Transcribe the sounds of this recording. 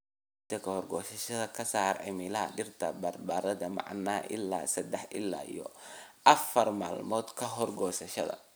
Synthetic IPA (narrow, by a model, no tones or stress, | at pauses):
t̪ʰɐkʰɐhɔrɡɔːsɐʃɐðɐkʰɐsaːrʕɪ̰mɪlɐɐ̰ɖɪrt̪ʰɐbɐrbaːɾɐðɐmɑ̰ʕnːa̰ːʔɪ̰lːa̰ːsɐd̪ɛħʔɪlːa̰ːḭjɔʔɐfɐrma̰ːlmɔːd̪kʰɐɦɔrɡɔːsɐʃɐ̰ðɐ̰